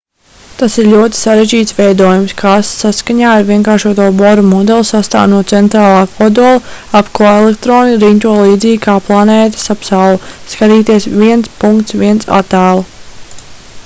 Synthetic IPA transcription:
t̪asiɾlʲuɔt̪i̥saɾeʒd͡ʒiːt̪svɛjd̪uɔjumskʰaːssaskaɲaːaɾviɛŋkaːɾʃuɔt̪uɔbɔɾɔmɔd̪ɛlˠsast̪a̰ːwnuɔt̪sɛnt̪ɾaːlˠɑːkɔd̪uɔlˠaapkoelˠekt̪ɾoːniɾint̪uɔlˠiːd̪ziːɡkʰaːplˠaneːt̪ḁsapsawlˠuskaɾiːt̪iɛsvʲiɛnt̪spuŋkt̪sviɛntsa̰t̪aːlˠ

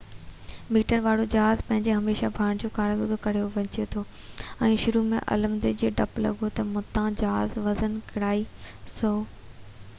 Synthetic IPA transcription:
miːʈəɾʋaːɽod͡ʑɐɦaːzpɐ̃ɦɪ̃ɲd͡ʑeɦɐmeːʃabʱaːɽ̃d͡ʑoːkaːɽ̃ɡ̪od̪ʰokɐɽ̤ijoʋɐ̃ɲt͡ɕijet̪ʰo | ɛ̃ːʃʊɾumẽʔɐ̰ləmd̪ed͡ʑiːɖɐplɐ̰ɡʱot̪ɐmʊ̃t̪ãd͡ʑaɦazʋɐzənkɪɽaːisoː

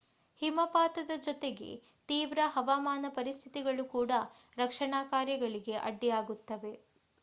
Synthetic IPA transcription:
himɐpaːt̪ɐd̪ɐd͡ʒɔt̪e̞ɡe̞̰ | t̪iːʋɾɐɦɐʋaːmaːnɐpɐɾist̪ʰit̪iɡɐɭukuːɽɐ | ɾɐkʂɐɳaːkaːɾjɐɡɐɭiɡe̞ʔɐ̰ɖːijaːɡut̪ːɐʋe̞

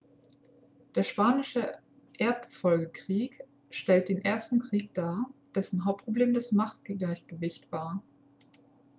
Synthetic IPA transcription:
d̥eːɐʃpaːnɪʃə | ʔeɐpfɔlɡəkʁ̥iːk | ʃtɛlt̚d̥eːnʔeːɐstn̩kʁ̥iːk̚d̥aːɐd̥ɛsn̩ɦaʊp̚t̚pʰʁ̥obleːmdasmaχt̚ɡlaɪçɡ̥əvɪçtv̥aːɐ

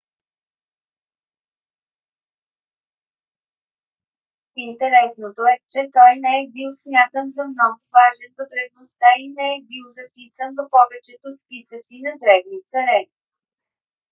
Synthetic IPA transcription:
int̪ɛɾɛsnot̪oɛt͡ʃɛt̪ɔjnɛɛbilˠsmjat̪ənzɐmnɔɡʊvaʒɛnvət̪ɾɛvnost̪ainɛɛbilˠzɐpisənvɐpɔvɛt͡ʃɛt̪ospisət̪sinɐd̪ɾɛvnit̪sɐɾɛi

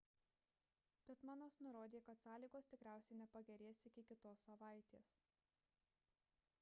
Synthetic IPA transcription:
b̥ʲɛt̪mɑnoːsnʊɾoːd̪ʲeːkɐt̪sɑːlʲiːɡoːst̪ʲɪkɾʲæˑʊsʲɛɪnʲɛpɐɡʲɛɾʲeːsɪkʲɪkʲɪt̪oːsːɐʋɑˑɪt̪ʲḛːs

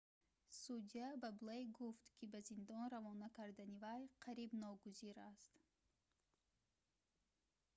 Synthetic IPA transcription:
sud̪iabablejɡuft̪kʰibazind̪ɔnɾavɔnakʰaɾd̪anivajqʰaɾibnɔɡuziɾast̪

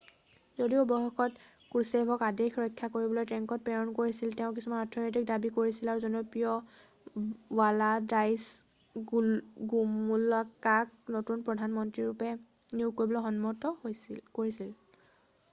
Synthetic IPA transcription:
zodiʊbɔɦɔkɔt | kuɹsebʱɔkadexʰɹɔjkʰːakoɹibɔlojtɹɛŋkɔt̚pɛɹɔnkoɹisilteʊ̃k̬isumanatʰɔnɔt̬ik̚dabikoɹisilaɹuzɔnopijɔ | waladajs | ɡumulakak̚notunpɹɔdʱanmɔntɹiɹupɛ | nuʊkoɹibɔlɔxɔnmɔtɔkoɹisil

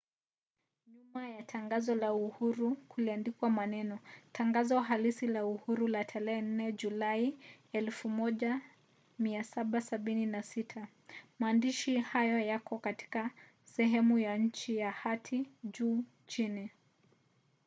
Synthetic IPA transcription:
ɲumajatʰaŋɡazɔlauhuɾukʰuliandikwamanɛnɔtʰaŋɡazɔɦalisilauhuɾulatʰalɛɛn̩nɛʄulai | ɛlfumɔʄa | miasaɓasaɓininasitʰa | maːndiʃihajɔjakɔkati̥ka | sɛɦɛmujaɲ̩t͡ʃijahatʰiʄuː | t͡ʃini

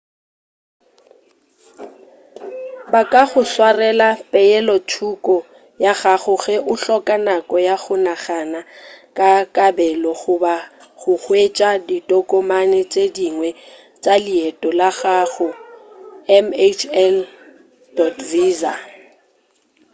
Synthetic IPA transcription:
bakʼaɣʊswarɛlapʼɛjɛlɔtʰukʼɔ | jaɣaɣʊɣɛʔʊɬɔkʼanakʼɔjaɣʊnaχanakʼakʼabɛlɔɣʊba | ɣʊk͡xwet͡ʃʼaditʼɔkʼɔmanɛt͡ʃʼediŋwɛ | t͡ʃʼaliɛtʼɔlaɣaɣʊ | ɛmet͡ʃʰɛl | dɔtʰviːza̰

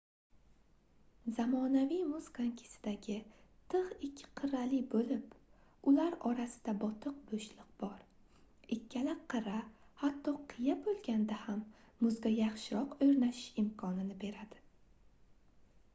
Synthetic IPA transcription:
zamɒnavijmʊz̥kʰaŋkʲʰɪ̥sɪ̥d̪aɡʲɪt̪ʰɨʁɪkʲʰːɪ̥qʰɨɾalɪbolɪpʊlaɾɒɾasɪ̥d̪abɒt̪ʰɨq̚boʃlɪq̚b̥ɒɾ | ɪkʲʰːalaqʰɨɾahat̪ʰːɒqʰɨjabolˠɡʲand̪ahamːʊzɡʲajaχʃɪɾɒqɵɾnaʃɪ̥ʃɪmkʰɒnɪnɪbe̞ɾad̪ɪ

